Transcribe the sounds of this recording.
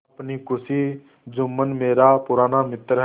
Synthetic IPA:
pnikʊsi | d͡ʒʊmːənmeːɾapʊɾaːnamɪt̪ɾɦ

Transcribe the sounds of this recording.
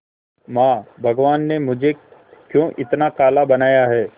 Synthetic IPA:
maːbʱɐɡʋaːnːemʊd͡ʒʱekjõːʔɪt̪nakaːlabɐnaːjaɦɛː

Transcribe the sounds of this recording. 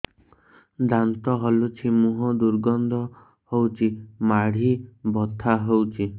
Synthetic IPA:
d̪ant̪ɔɦolut͡ʃʰimuɦɔd̪uɾɡɔnd̪ʱɔ | howt͡ʃʰimaɽ̤ibɔt̪ʰaɦowt͡ʃʰi

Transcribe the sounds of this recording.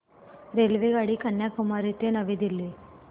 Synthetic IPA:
ɾelʋeɡaɽiːkəɳjakumaɾit̪enəʋed̪ilːe

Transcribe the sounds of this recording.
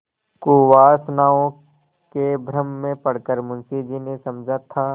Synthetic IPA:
kuːʋaːsnaːõ | kebʱɾəmːẽpɐɽkəɾmʊnsid͡ʒinesɐmd͡ʒʱat̪ʰaː

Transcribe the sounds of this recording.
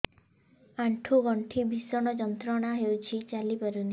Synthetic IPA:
aɳʈʰuɡɔɳʈʰibisɔɽ̃ɔd͡ʒɔnt̪ɾɔɽ̃aɦewt͡ʃʰit͡ʃalipɔɾuni

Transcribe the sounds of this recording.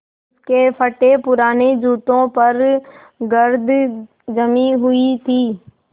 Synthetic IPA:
ɪskeːpʰəʈepʊɾaːned͡ʒuːt̪õːpəɾ | ɡəɾd̪ʱ | d͡ʒəmiɦʊit̪ʰiː

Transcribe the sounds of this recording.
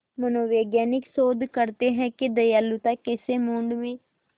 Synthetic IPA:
mənoːʋeːɡjɛːnɪksoːd̪ʱkəɾt̪eɦɛ̃kid̪əjalːut̪akɪsemoɳɖʋiː

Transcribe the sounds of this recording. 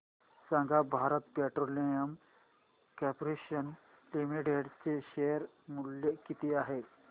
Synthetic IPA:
sãŋɡʱabʱaːɾət̪̚peʈɾolijəm | kɛpɾeʃən | limiʈeɖt͡seʃejəɾ | muljekit̪iaːɦe

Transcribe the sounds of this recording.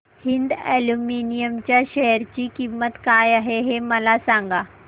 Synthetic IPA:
hind̪ɛluminijəmt͡ɕjaɕɛɦəɾt͡ɕiːkimːət̪kajaɦeɦeməlasãŋɡa

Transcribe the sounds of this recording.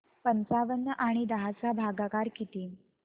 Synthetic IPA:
pənt͡saʋənːəʔaɽ̃id̪əɦasabʱaɡakaɾkit̪iː

